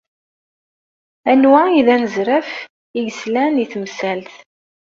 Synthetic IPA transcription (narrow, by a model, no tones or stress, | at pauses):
ænwaiðænəzɾæf | iɡəslæniθmsælθ